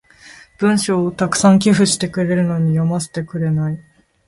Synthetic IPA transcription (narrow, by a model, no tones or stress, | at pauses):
b̥ɯ̟̃ɰ̃ɕoːt̪akɯ̟̥sãŋk̬ʲiɸɯ̟ɕi̥t̪e̞kɯ̟ɾe̞ɾɯ̟no̞ɲ̟ijomase̥t̪e̞kɯ̟ɾe̞nai